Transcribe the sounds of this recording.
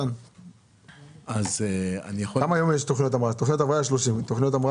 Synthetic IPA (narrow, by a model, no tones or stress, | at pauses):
n | azea̰nijaoamajo̞mjeʃt̪oχniot̪amʁat̪oχnijot̪avʁaʃloʃimt̪oχnijot̪amʁa